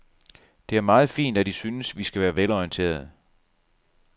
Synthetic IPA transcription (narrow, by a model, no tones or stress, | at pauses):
d̥e̝æɐmɑ̈ːð̞̩ˠfḭːnd̥æd̥isyːnəsʋisɡ̥æʋæːɐʋelɒiənt͡sʰe̝̰ːɐð̩ˠ